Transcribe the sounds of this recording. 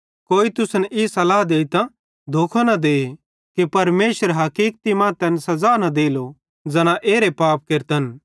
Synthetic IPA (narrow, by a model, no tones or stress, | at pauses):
koːit̪ʊsnɛʔisɐlaːɦd̪eːit̪ã | d̪ʱoːkʰanɐd̪eː | kepɐɾmeːʃəɾɦɐkiːk̚t̪imãːt̪ɛnsɐzaːnɐd̪eːlo | d͡zɐñãʔeːɾepaːp̚keɾt̪ən